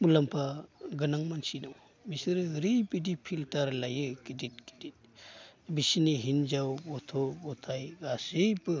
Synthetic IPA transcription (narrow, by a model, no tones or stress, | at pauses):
mulampʰaɡɯnaŋmansinɔw | misɯɾɯɾipidipʰiltaɾlajɯkidit̚ki̥dit̚bisiniɦind͡ʒawbɔtʰɔbɔtʰajɡasepɯ